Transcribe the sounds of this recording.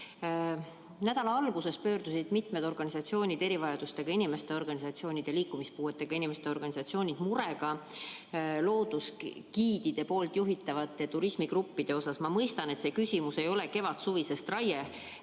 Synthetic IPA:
næd̪̥ɑlɑɑlɡ̥use̞spø̞ːɾd̪̥usid̪̥mit̪ˑmed̪̥o̞rɡ̥ɑnisɑt̪sio̞ːnʲid̪e̞ɾivɑjɑd̪̥ust̪e̞ɡ̥ɑinime̞st̪e̞o̞rɡ̥ɑnʲisɑt̪sio̞ːnid̪̥eliːkːˑumispuːe̞t̪ːˑe̞ɡ̥ɑinime̞st̪eo̞rɡ̥ɑnisɑt̪sio̞ːnʲid̪̥muɾe̞ɡ̥ɑ | lo̞ːd̪̥uskiːd̪̥id̪̥e̞po̞ːlt̪ˑjuɦit̪ːˑɑvɑt̪ˑːe̞t̪uɾismiɡ̥rupːid̪̥e̞o̞sɑsmɑmɤjst̪ɑne̞t̪se̞ːkysʲimuse̞jo̞le̞ke̞vɑt̪suvise̞st̪rɑje

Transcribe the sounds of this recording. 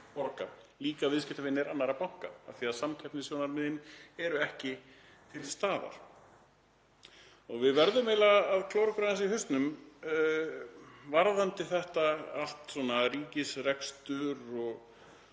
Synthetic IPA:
pɔɾka̰liːkavɪðscɪht̪avɪnːɪɾanːaɾapawŋ̥kaaθiaðsamcʰɛpnɪs̬joːwnaɾmɪðɪnɛɾʏɛhcɪ | t̪ʰɪlst̪aːða̰ɾ̥ | ɔɣvɪðvɛɾðʏmɛlaːðkʰlowɾɪkɾaðnsiɦʏst̪nʏm | vaɾðant̪ɪθɛht̪aal̥t̪sɔnariːcɪsrɛkst̪ʏɾɔɣ

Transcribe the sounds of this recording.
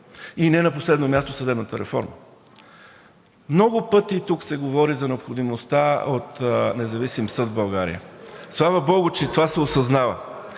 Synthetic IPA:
inɛnɐposlɛd̪nomʲjast̪osəd̪ɛbnət̪əɾɛ̰fɔ̰ɾmə̰ | mnɔɡʊpɤt̪it̪uksɛɡovɔɾizɐnɛopxod̪imost̪aot̪nɛzɐvisimsɤd̪bɐlˠɡaɾḭjə̰slˠavəbɔɡʊt͡ʃɛt̪ovasɛosɐznavə̰

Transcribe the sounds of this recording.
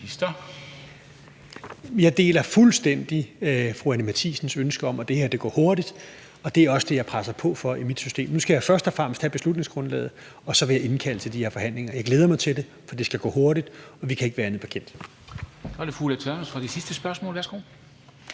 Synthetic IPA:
isd̥ɐ | jɑ̈ɪd̥e̝̰ːlɐfulsd̥en̰d̥ifʁuænəmæt͡sʰḭːsn̩sønsɡ̥əɒ̽mɒ̽d̥e̝heɐ̰d̥e̝ɡ̥ɒ̰ːho̝ɐd̥id̥ | ɒ̽d̥e̝æɐɒ̽səd̥e̝jɑ̈ɪpʰʁasɐpʰɒ̽fɒ̽imid̥sy̥sd̥e̝̰ːmnusɡ̥æjɑ̈ɪfɶɐsd̥ɒ̽fʁäm̰əsd̥hæb̥e̝slud̥ne̝ŋsɡ̥ʁɔ̽nlɛ̰ːð̩ˠ | ɒ̽sɒ̽ʋe̝jɑ̈e̝nkʰæl̰t͡sʰe̝ld̥ie̝ɐfɒ̽hæn̰le̝ŋɐjɑɪɡ̥leːð̞ˠɐmɑ̈ɪt͡sʰe̝lde̝ | fɒ̽d̥e̝sɡ̥æɡ̥ɔ̰ːho̝ɐɾid̥ɒ̽ʋikʰæe̝ɡ̥ʋæːɐænð̩ˠpʰæ̥kʰen̰d̥ | sɒɐɾefulæt͡sʰøɐnsfʁɑ̈d̥isisd̥əsb̥ɶɐsmɔ̰̽lʋæɐsɡ̥o̝̰ː

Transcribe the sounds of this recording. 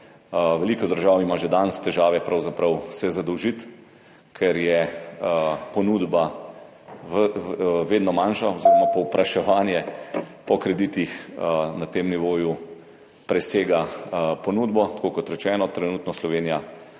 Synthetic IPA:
ʋɛliːkɔd̪əɾʒaːwimaʒɛd̪anst̪ɛʒaːʋɛpɾawzapɾɐwsɛzad̪əwʒit̪ | kʰɛɾjɛ | pɔnud̪ba | ʋeːd̪nɔmanʃaɔziɾɔmapɔwpɾʔaʃɛʋaːnjɛpɔkɾɛd̪iːt̪ixnat̪eːmniʋoːju | pɾɛseːɡapɔnuːd̪bɔt̪ḁkoːkɔt̪ɾɛt͡ʃɛːnɔt̪ɾɛnuːt̪nɔslɔʋeːnija

